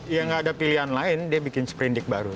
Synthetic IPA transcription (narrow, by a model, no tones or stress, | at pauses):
jaŋɡaːdapiliɦanlaɪndiabikɪnsə̥pɾindɪk̚ba̰ɾu